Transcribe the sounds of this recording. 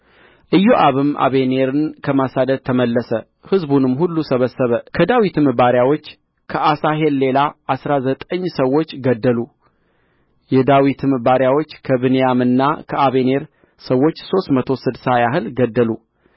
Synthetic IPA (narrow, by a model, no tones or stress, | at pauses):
ʔɨjːoʔaβɨmʔa̰βe̞ne̞ɾɨnkʰəmasad̪əd̪̚t̪ʰəməlːəsə | hɨzbunɨmːhulːusəβəsːəβəkʰəd̪awit̪ɨmɨbaɾjawo̞t͡ʃː | kʰəʔasaɦe̞lːe̞laasɾazət̪ʼəɲːsəwːo̞t͡ʃːɡəd̪ːəlu | jɛd̪awit̪ʰɨmɨbaɾjawo̞t͡ʃːkʰəβɨnejamɨnːakʰəʔaβe̞ne̞ɾ | səwːo̞t͡ʃːso̞st̪mət̪ʰo̞sɨd̪sajaɦɨlɡəd̪ːəlu